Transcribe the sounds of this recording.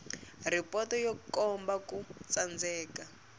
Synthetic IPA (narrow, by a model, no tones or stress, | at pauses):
ripɔtɔjɔkɔmbakut͡sand͡zɛːka